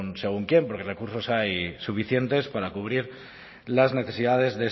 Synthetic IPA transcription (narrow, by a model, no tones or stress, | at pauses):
nse̞ɣ̞uŋkje̞mpo̞ɾkerekuɾso̞sajsufiθje̞nt̪e̞spaɾakuβ̞ɾiɾ | lazne̞θe̞siðað̞e̞zðe